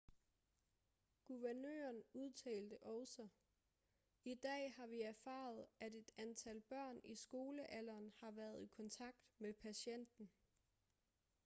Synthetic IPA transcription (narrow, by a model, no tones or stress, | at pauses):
ɡ̥uʋæɐnø̰ːɐnuð̞ˠt͡sʰɛ̰ːld̥əʔɒʊsɒ | id̥ɛ̰ːhɑ̈ʋiæɐfɑ̰̈ːð̞̩ˠæde̝d̥ænt͡sʰælb̥ɶɐ̰nisɡ̥o̝ːləʔælɐːnhɑ̈ʋæːɐð̞ˠikʰɒ̽nt͡sʰɑ̈ɡ̥̚d̥mepʰæɕen̰d̥n̩